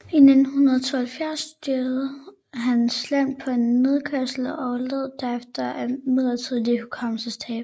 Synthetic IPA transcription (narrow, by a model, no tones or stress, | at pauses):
ine̝d̥n̩ɦunɐðˠt͡sʰo̝ːhelfjæɐsːd̥ud̥ḛɐðˠ | ɦænslæm̰̥pʰɒ̽e̝nme̝ð̞ˠkʰɶɐsl̩ɒʊleð̰ˠd̥æɐefd̥ɐæmeð̰ˠɐt͡sʰiðˠlikʰukʰɑm̰səst͡sʰɛ̰ːb̥